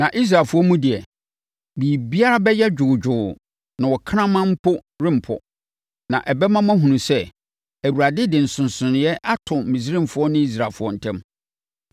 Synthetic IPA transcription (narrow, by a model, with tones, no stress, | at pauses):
nã˨ʔi˦s̬ɾa˨lfʊ˦ɔ˦mũ˦dɪ˨ɛ˨ | bi˨bi˦a˦ɾa˦bɛ˦jɛ˦d͡ʑᶣʊ˨d͡ʑᶣʊː˨ | nã˨wɔ˨kʰã˦mã˦m̩˦pʰʊ˦ | ɾɪ̃˦m̩˨pʰɔ̰˨ | nã̰˨ʔɛ˨bɛ˦mã˦mã˦ɦũ˨nũ˨sɛ˦ | æ˨wu˨ɾa˨dɪ˦dɪ˨n̩˨sʊ̃˨n˨sʊ̃˨nɪ̃˨jɛ˦ʔa˦tʰʊ̃˨m̩˨mĩ˨s̬ɾĩ˦mfʊ˨˦ɔ˦nʊ̃˦i˦s̬ɾa˨fʊ˦ɔ˦n̩˨tʰɛ̃˦m